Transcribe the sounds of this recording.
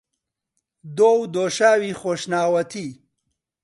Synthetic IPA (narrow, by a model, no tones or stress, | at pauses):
d̪oːwd̪oːʃaːwiːxoːʃnaːwɐt̪ʰi